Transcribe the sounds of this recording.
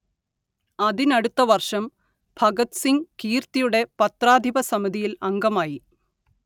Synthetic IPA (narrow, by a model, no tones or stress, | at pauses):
ɐðinɐɽut̪ːɐʋɐrʂɐm | bʱɐɡɐt̪siŋkiːrt̪ijuɽe̞pɐt̪raːd̪ʱibɐsɐmiðʱijilɐŋɡɐmaːji